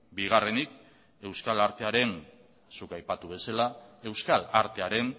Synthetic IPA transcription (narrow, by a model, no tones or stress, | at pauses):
biɣ̞are̞nik | e̞wskalaɾt̪e̞aɾe̞n | sukajpat̪uβ̞e̞salae̞wskalaɾt̪e̞aɾe̞n